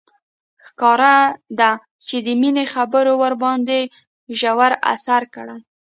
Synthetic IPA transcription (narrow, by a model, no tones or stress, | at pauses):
xkɑɾad̪a | t͡ʃed̪əminexabəɾowaɾbɑnd̪e | ʒawaɾa̰saɾkəɽa